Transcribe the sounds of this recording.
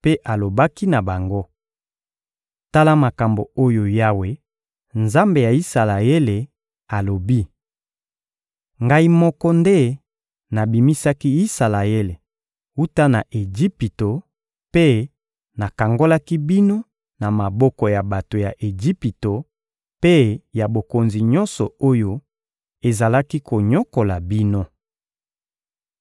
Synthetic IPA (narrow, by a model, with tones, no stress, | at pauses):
pe˦ʔa˨lo˨ba˦ki˦na˨ba˨ŋɡo˦ | ta˦la˦ma˨ka˨mbo̰˨o˦jo˨ja˦we˦ | nza˦mbe˨ja˨i˦sa˨la˨e˦le˨ | a˨lo˨bi˦ | ŋɡa˦i˦mɔ˦kɔ˦nde˦ | na˨bi˨mi˦sa˦ki˦i˦sa˨la˨e˦le˨ | u˦ta˦na˨ʔe˨d͡ʒi˦pi˨to˨ | pe˦ | na˨ka˨ŋɡo˦la˦ki˦bi˦no˦ | na˨ma˨bɔ˦kɔ˨ja˨ba˨to˨ja˨ʔe˨d͡ʒi˦pi˨to˨ | pe˦ja˨bo˨ko˨nzi˨ɲɔ̃˦nsɔ˨o˦jo˦ | e˨za˨la˦ki˦ko˨ɲɔ˦ko˨la˨bi˦no˦